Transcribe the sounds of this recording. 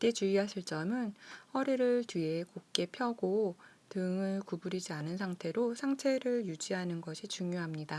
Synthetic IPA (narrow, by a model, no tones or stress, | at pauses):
t͈e̞t͡ɕuiɦasʰiɭt͡ɕ͈ʌmɯnɸʌɾiɾɯɭtɥie̞kok̚k͈e̞pʰjʌɡo | tɯŋɯɭkubuɾid͡ʑianɯnsʰaŋtʰe̞ɾosʰaŋt͡ɕʰe̞ɾɯɭjud͡ʑiɦanɯnɡʌɕʰit͡ɕuŋjoɦamɲida